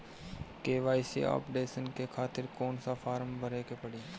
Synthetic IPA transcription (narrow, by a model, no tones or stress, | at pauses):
keːʋaːɪsḭa̰ːpɖeːsənkekʰaːt̪ɪɾkoːnsafʰaːɾmbʱəɾeːkepəɽiː